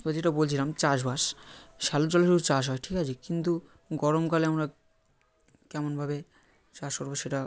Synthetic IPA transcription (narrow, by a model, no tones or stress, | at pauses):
t̪oad͡ʑeʈabolt͡ɕʰilamt͡ɕaʃbʱaʃʃalot͡ɕɔleʃuɾt͡ɕaʃ̬ɦɔeʈʰikat͡ɕʰikint̪u | ɡɔɾomkaleamɾa | kɛmonbʱabe | t͡ɕaʃkoɾboʃeʈa